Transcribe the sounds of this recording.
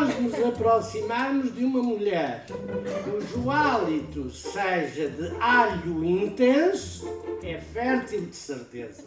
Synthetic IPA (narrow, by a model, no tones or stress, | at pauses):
ʒnuzɐpɾɔsimaɾmuʒd̪ɨumɐmuʎɛɾ | uʒualˠit̪useʒɐd̪ɨaʎuĩnt̪ẽsu̥ɛfɛɾt̪ilˠd̪ɨsɨɾt̪ḛzɐ